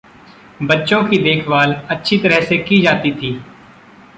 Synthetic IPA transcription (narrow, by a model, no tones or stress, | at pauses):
bətːʃõkid̪eːkʰʋaːlətːʃʰit̪əɾɛɦsekiːd͡ʒaːt̪it̪ʰiː